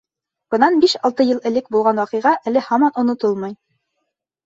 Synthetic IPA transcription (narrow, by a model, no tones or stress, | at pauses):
b̥ɤ̆nɑnbiʃɑlˠt̪ɤjɤlˠɘ̆lɘk̚bulˠʁɑnwɑqɤ̆jʁɑʔælɘhɑmɑnŏnŏt̪ɤlˠmɑj